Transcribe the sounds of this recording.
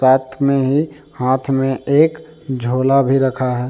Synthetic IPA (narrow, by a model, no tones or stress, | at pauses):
aːt̪ʰmẽɦi | hãːt̪ʰmẽʔeːk | d͡ʒʱoːlabʱiɾəkʰaɦɛː